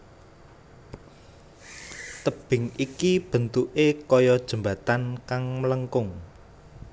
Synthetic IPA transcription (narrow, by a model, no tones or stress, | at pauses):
t̪əb̥ɪ̤ŋikib̥ə̤nt̪uʔekɔjɔd̥ʒ̥ə̤mbä̤t̪ankaŋmələŋkʊŋ